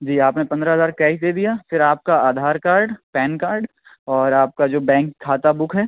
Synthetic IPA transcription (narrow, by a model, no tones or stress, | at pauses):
d͡ʒiːaːpnepɐ̃nd̪ɾaɦɐzaːɾkɛːʃd̪eːd̪ijafɪɾaːp̚kaaːd̪ʱaːɾkaːɾɖpɛːnkaːɾɖ | ɔːɾaːp̚kad͡ʒoːbɛ̃ːŋkʰːaːt̪abʊkʰɦɛː